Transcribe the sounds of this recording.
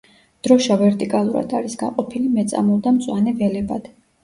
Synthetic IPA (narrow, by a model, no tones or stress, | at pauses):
d̪̥ɾɔʃavɛɾt̪ʼikʼalˠuɾa̰d̪aɾisɡaqʼɔpʰilimɛt̪sʼa̰mɔlˠd̪amt̪sʼwanɛvɛlɛbad̪̥